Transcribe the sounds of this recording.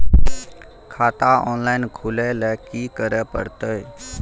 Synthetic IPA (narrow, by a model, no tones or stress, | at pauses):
kʰaːt̪aːoːnlaːɪnkʰuːleːlɛːkiːkəɾɛːpə̰ɽt̪əi